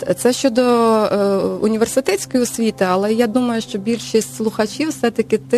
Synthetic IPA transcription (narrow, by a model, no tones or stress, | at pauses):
t̪sɛʃt͡ʃɔd̪ɔ | unʲiʋʲersɪt̪ɛtʲt͡sʲkɔjiɔsʲʋʲit̪ɪɐlˠɛjad̪umɐjʊʃt͡ʃɔbʲilʲʃisʲtʲslˠʊxɐt͡ʃʲiwsɛt̪ɐkʲɪt̪ɪ